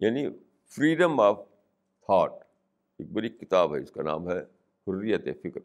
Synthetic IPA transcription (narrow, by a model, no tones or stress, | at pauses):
jaːni | fɾiːɖəmaːʋ | t̪ʰaːʈ̚ | eːk̚bɐɾikɪt̪aːbɦɛɪskanã̰ːmɦɛ | hʊrːijət̪efɪkɾ